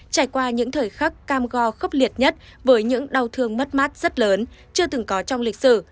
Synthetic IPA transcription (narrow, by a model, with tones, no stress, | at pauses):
t͡ɕaː˧˩jkwaː˧ɲɨ̰˧˥ŋt̪ʰəː˨˩jxa˦˥kkaː˧mɣɔ˧xə˦˥wk͡p̚li˨˩ət̚ɲə˦˥t̚ | vəː˨˦jɲɨ̰˧˥ŋɗa˨˩wt̪ʰɨ˧əŋmə˦˥t̚maː˦˥t̚z̥ə˦˥t̚ləː˨˦n | t͡ɕɨ˧ət̪ɨ˨˩ŋkɔ˨˦t͡ɕɔ˧wŋ͡mlï˨˩k̟̚sɨ̰˧˩